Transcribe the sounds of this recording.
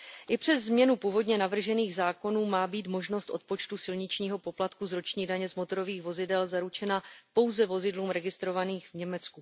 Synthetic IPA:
ʔɪpr̝̥ɛzːmɲɛnupuːvo̞dɲɛnavr̩ʒɛniːɣzaːko̞nuːmaːbiːt̪mo̞ʒno̞st̪ʔo̞t̪̚po̞t͡ʃt̪usɪlɲɪt͡ʃɲiːɦo̞po̞plat̪kuzɾot͡ʃɲiːdaɲɛzmo̞t̪o̞ɾo̞viːxvo̞zɪdɛlzaɾut͡ʃɛnapo̞wzɛvo̞zɪdluːmɾɛɡɪst̪ɾo̞vaniːxvɲɛmɛt͡sku

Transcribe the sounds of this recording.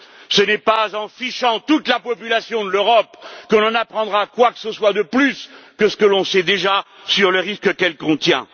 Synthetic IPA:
sənɛpazɑ̃fiʃɑ̃t̪ut̪lapɔpylasjɔ̃d̪əløʁɔpkɔ̃nɑ̃napχɑ̃d̪ʁakwakə̥səswad̪əplyskəsə̥kəlɔ̃sɛd̪eʒa | syʁləʁiskəkɛlkɔ̃t̪jɛ̰̃

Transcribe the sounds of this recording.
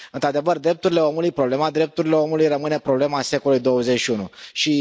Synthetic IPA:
ɨnt̪ɾad̪evərd̪ɾe̞p̚t̪uɾile̞o̞mulujpɾo̞ble̞mad̪ɾe̞p̚t̪uɾile̞o̞mulujrəmɨne̞pɾo̞ble̞mase̞kolulujd̪o̞wəzet͡ʃʃiunuʃi

